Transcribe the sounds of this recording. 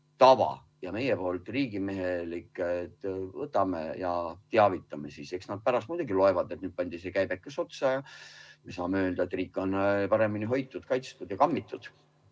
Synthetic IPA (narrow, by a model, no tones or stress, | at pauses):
t̪ɑvɑ̰ | jɑme̞jepo̞ːlt̪ˑriːɡ̥ime̞ɦelikːˑet̪vɤt̪ːˑɑmḛjɑt̪eɑvit̪ːˑɑme̞sise̞ksnɑd̪̚pæɾɑst̪muːd̪uɡilo̞evɑd̪e̞t̪nyːd̪̚pɑnʲd̪̥isekæjb̥ekːˑeso̞t̪sɑjɑmesɑːmeøːld̪ɑet̪ːˑriːkːˑo̞npɑɾe̞miniɦo̞jt̪ːˑud̪kɑjt̪st̪ud̪jɑkɑmːit̪ˑːud̪̥